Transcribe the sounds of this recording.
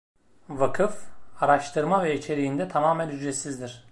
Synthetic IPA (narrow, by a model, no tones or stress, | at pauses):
vakʰɯfaɾaʃt̪ʰɯɾmavɛit͡ʃʰe̞ɾijind̪ɛt̪ʰamaːmɛnyd͡ʒɾesizd̪iɾ̥